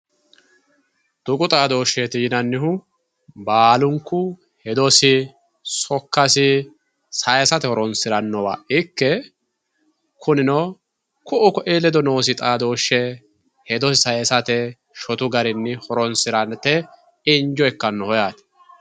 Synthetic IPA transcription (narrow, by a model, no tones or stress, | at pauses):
t̪ʊkʼʊt̪ʼaːd̪o̞ːʃːɛt̪iːnɐnːɪhʊ | baːlʊŋkːʊ | hɛd̪ɔsɪ | sɔkːɐsɪ | sɐjɛsɐt̪ɛhɔɾɔnsɪɾɐnːɔwa̰ːʔʔɪkːɛ | kʰʊnɪnɔ | kʊʔʊkɔʔeːlɛd̪ɔno̞ːsɪt̪ʼaːd̪o̞ːʃːɛ | hɛd̪ɔsɪsɐjɛsɐt̪ɛ | ʃɔt̪ʊɡɐɾɪnːɪhɔɾɔnsɪɾɐnt̪ɛ | ɪnd͡ʒɔɛkːɐnːɔhɔjaːt̪ɛ̥